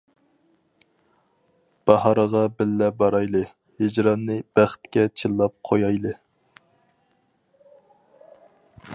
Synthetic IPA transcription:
b̥ɑhɑɾəʁɑbɪlːɛbɑɾɑjlˠɨ | hɪd͡ʒɾɑnːɨb̥æχt̪kʲɛt͡ʃʰilˠːɑp̚qʰojɑjlˠɨ

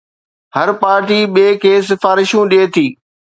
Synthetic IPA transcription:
hɐɾpaːɾʈiːɓeːkʰeːs̬ɪfaːɾɪʃũɗeːt̪ʰiː

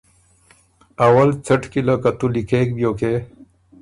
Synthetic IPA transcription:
ɐwɐlt͡sʰɐʈkilɐkɐt̪ulikʰeːk̚bjoːke

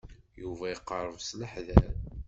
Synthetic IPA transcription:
juvæjəqːəɾˤəvsləħðæn

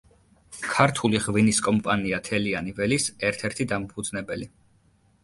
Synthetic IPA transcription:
kʰaɾt̪ʰuliʁviniskʼɔmpʼaniat̪ʰɛlianivɛlisɛɾt̪ʰɛɾt̪ʰid̪ampʰud̪znɛbɛli

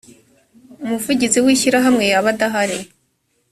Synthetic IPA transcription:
umuvuɟit͡siwiːçiɾaɦamŋe̞jaβadaɦaɾe

